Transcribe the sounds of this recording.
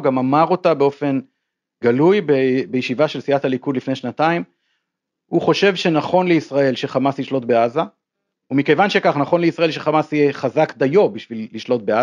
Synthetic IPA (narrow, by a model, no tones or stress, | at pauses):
ɡamamaʁo̞tabe̞o̞fe̞n | ɡalujbebejeʃivaʃe̞lsiathalikud̪lifneʃnataim | huχo̞ʃe̞vʃe̞naχo̞nleisʁae̞lʃe̞χamasliʃlo̞tbeaza | umikevanʃe̞kaχnaχo̞nleisʁaelʃeχamasijeχazakd̪ajo̞biʃvilːiʃlo̞t̚bea